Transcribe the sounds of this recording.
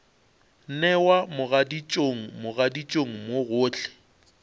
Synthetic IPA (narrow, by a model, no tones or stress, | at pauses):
n̩nɛwamʊɣadit͡ʃʼoŋ̩mʊɣadit͡ʃʼoŋ̩moɣʊːt͡ɬʰɛ̥